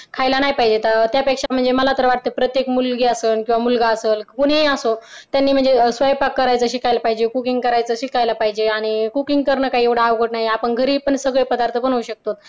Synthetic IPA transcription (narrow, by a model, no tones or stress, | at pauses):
kʰajlanajpaɦid͡ʑet̪əɾt̪japekʂam̤əɳd͡zeməlat̪əɾʋaʈ̚t̪əpɾət̪jekmulɡeəsəːnkĩw̃ʋamulɡaəsəːlkuɳeəsot̪janːiːm̤əɳd͡zesʋajpakːəɾajt͡səɕikajlapaɦid͡ʑekukiŋɡkəɾajt͡səɕikajlapaɦid͡ʑeaɽ̃ikukiŋɡkəɾɳəːkaɦiːeʋɽaaʋkəʈnajeapəɳɡʱəɾiːpəɳsəɡɭepəd̪aɾt̪ʰəpəɳɦoɕək̚t̪ot̪̚